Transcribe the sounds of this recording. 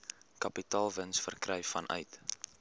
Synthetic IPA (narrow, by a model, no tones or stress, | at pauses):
kɐpitɑːlˠvənsfərkrɛjfɐnʔœ̰ɥt